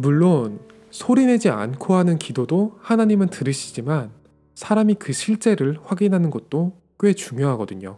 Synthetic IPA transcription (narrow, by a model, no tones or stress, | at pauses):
muɭːon | sʰoɾine̞d͡ʑia̰nkʰoɦanɯnkidodohanaɲimɯntɯɾɯɕʰi̥d͡ʑiman | sʰaɾamikɯɕʰiɭt͡ɕ͈e̞ɾɯɭɸwaɡinɦanɯnɡʌt̚t͈o | k͈ɥe̞t͡ɕuŋjoɦaɡʌdɯɲo